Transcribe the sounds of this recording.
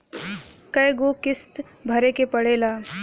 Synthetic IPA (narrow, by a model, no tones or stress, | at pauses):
kəjɡokɪst̪ | bʱɐɾekepəɽeːlaː